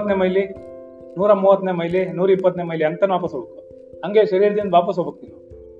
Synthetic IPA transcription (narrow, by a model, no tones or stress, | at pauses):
t̪nemɐjli | nuːɾɐmuːʋɐt̪nemɐjlinuːɾipːɐt̪nemɐjliɐnt̪ɐnʋaːpɐsɦoːbuku | ɦɐŋɡeːʃɐɾiːɾd̪ind̪ʋaːpɐs̬ɦobukninu